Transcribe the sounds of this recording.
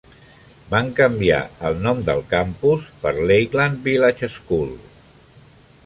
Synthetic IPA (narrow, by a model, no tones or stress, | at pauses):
baŋkəmbia̰əlˠnɔmd̪əlˠkampuspəɾlejɣlanbilat͡ʃəskulˠ